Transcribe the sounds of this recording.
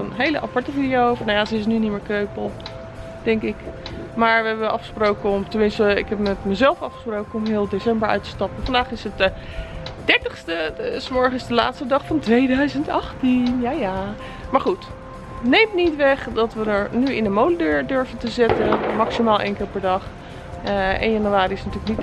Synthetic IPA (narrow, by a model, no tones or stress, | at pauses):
ənɦejlə̰ʔɑpɑɹtəvidiowfnajazəɪs̬nynitmɪːɹkrøɥpəlˠ | d̥ɛŋkɪk | maːɹʋəɦɛbəʔɑfχə̥sprowkəɔmtənmɪnstəɪ̰kɛpmɛtməzɛlˠfɑfχəsprowkənɔmɦɪːlˠdesɛmbəɹœ̰ɥtə̥stɑpəfɑndaːχɪsət | d̥ɛɹtəχstəsmɔɹχənɪzdəla̰ːtstədɑχfɑntʋejdœɥzəntɑχtinjaːjaː | maːɹχut | nejmnitʋɛχdɑtʋədəɹnyɪndəmowlədøːɹdøɹvəntəzɪtənmɑksimaːlˠʔḛjnkɪːɹpɛɹdɑχ | ʔɛ̰njɑnuʋaːɾiɪsnatyːlək̚nit